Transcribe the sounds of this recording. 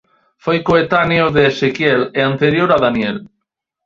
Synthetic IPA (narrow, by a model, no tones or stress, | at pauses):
fojkoet̪anjoðeːsekjeleant̪eɾjoɾaðanjel